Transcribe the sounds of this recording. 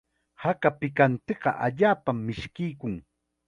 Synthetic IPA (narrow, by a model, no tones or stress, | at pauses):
hakapɪkant̪eɢɑ̰ʔaʎaːpamːɪʃkɪjkʊŋ